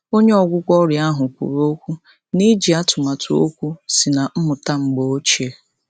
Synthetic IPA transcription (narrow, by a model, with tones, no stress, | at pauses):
o˦ɲe˦ɔ˨ɡʷʊ˦kʷɔ˦ɾja˦ɦʊ˨kʷṵ˨ɾo˦kʷu˦ | ni˦d͡ʒi˨a˦tʊ˨ma˨tʰʊ˨˦o̰˦kʷu˦si˨na˨m̩˦mʊ˨ta˦ŋ͡m̩˨ɡ͡bo˨o˦t͡ʃe˨